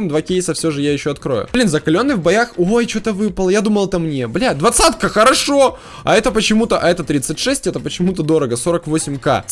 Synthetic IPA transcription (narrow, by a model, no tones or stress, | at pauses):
md̪vakʲejsəfsʲoʐɨjajɪɕːoɐt̪kɾo̞̰jʊ̰blʲinzəkɐlʲo̞nːɨjvbɐjaxojt͡ɕot̪əvɨpəlˠəjad̪uməlˠɛt̪əmnʲeblʲad̪vɐt̪sat̪kəxəɾɐʂo̞ | ɐ̰ɛt̪əpət͡ɕɪmut̪əʔɐɛt̪ət̪ɾʲit̪sɨtʲʂɛsʲtʲɛt̪əpət͡ɕɪmut̪əd̪o̞ɾəɡəso̞ɾəkvo̞sʲɪmʲka̰